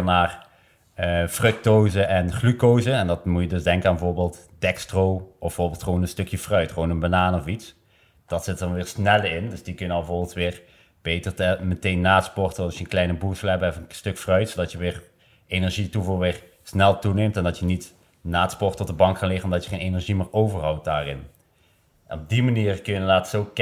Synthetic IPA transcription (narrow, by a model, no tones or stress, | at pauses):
ənaːr | əfrɵk̚toːzəʔɛnχlykowzəɛndɑtmujədɵsdɛŋkəanbəvoːɹbɪːlˠt | d̥ɛkstrowɔfə̥ʊːɹbɪlˠtχəʋonənstɵkjəfrœɥtχʋonənbanaːnɔfits | d̥ɑtsɪtdɑnʋɪːɹsnɛlɪndɵsdikɵnənbəvoːɹbɪlˠtʋɪːɹ | b̥ejtərtəmətejnːaːtspɔrtəɑsjənklɛjnəbusəlɛbɛfstɵkfrœɥtsodɑtjəʋɪːɹ | enɛɹʒituvɑlˠʋɪːɹ | snɛlˠtunejmtɛndɑtjənit | naːtspɔrtɔdəbɑŋkkɑnlɪχənɔmdɑtjəχejnenɛɹʒimɪːɹowvəɹrɦɑwt̚daːrɪn | ʔɛnɔb̚dimaniːrkɵjəənlaːtsowk